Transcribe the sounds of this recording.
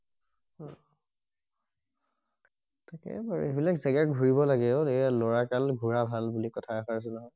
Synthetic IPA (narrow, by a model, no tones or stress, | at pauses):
ɔ̃ | takɛ̰baɹṵebilakzɛɡak̚ɡʱuɹibɔlaɡɛoejloɹakalɡʱuɹabʱalbulikɔtʰaaxaɹs̬ɛnaɦɔj